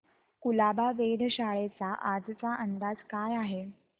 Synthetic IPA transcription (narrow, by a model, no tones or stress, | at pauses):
kulabaʋed̪ʱɕaɭet͡saʔad͡zt͡saʔənd̪ad͡zkajaɦe